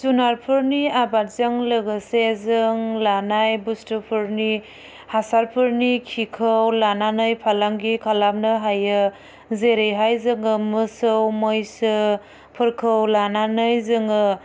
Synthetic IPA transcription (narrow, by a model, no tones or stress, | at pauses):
zunaɾpʰɯɾniabat̚zɯŋlɯɡɯsezɯŋlanajbustɯpʰɯɾni | hasaɾpʰɯɾnikʰikʰɯwlananɯjpʰalaŋɡikʰalam̚nɯɦajɯ | zeɾɯjɦajzɯŋɯmɯsɯwmojsɯ | pʰɯɾkʰɯwlananɯjzɯŋɯ